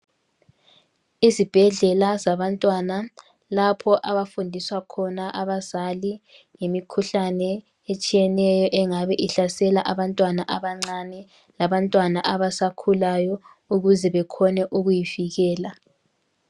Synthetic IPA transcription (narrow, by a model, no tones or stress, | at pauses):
izib̥ʱɛɮɛlazaβantʼwana | lapʰɔʔaβafundʱiswakʰɔnaʔaβaz̥ali | ŋemikʰuɬanɛ | et͡ʃʼijɛnɛjɔʔɛŋaβɛʔiɬasɛlaʔaβantʼwanaʔaβaŋ͡ǀanɛ | laβantʼwanaʔaβasakʰulajɔ | uɣuzɛβɛkʰɔnɛʔuɣujiviɣɛːla